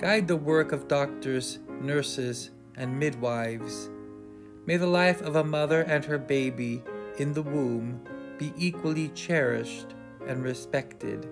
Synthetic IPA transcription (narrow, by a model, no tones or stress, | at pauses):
ɡ̥aɪd̪̚ðəwɜ˞kʌvdɔk̚tə˞z̥nɜ˞sɪz | ɨ̃nmɪd̚waɪvz̥ | meɪðəlaɪfʌvəmʌðə˞ʔɨ̃nə˞beɪbiɨ̃nðəwũmb̥iʔikwəl̩ˠit͡ʃʰɛɹɪ̰ʃt | ʔɨ̃nɹɨspɛk̚tɪ̰d̥